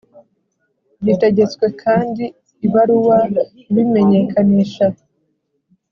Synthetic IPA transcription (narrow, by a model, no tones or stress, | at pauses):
bite̞ɟe̞t͡skwe̞kʰaːndiː | βaɾuwa | βime̞ɲe̞kʰaniʃa